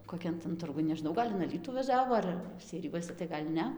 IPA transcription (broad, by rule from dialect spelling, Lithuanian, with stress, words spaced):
koːˈkʲɛn tɐn ˈtʊrɡʊn nʲɛʒʲɪˈnɐʊ ˈɡɐlʲ ɪn ɐˈlʲiːtuː ʋɐˈʒʲæːʋoː ˈɐr sʲɛɪˈrʲɪjuɔsʲɛ tɐɪ ˈɡɐlʲ ˈnʲɛ